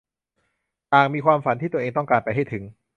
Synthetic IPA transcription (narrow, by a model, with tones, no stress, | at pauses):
t̪aː˨˩ŋmiː˧kʰwaː˧mfa˨˩˦nt̪ʰiː˥˩t̪u˧ʔeː˧ŋt̪ɔ˥˩ŋkaː˧npa˧jɦa˥˩jt̪ʰɯ˩˦ŋ